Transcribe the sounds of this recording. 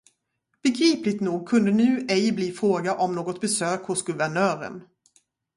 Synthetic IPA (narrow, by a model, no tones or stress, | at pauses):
b̥ɛɡɾiːplɪɡt̪nuːɡ̚kʰɵnd̪ənʉ̟ːɛjbliːfɾoːɡaʔɔmnoːɡɔt̪̚bɛsøːkhʊsɡɵvæɳœːɾə̰n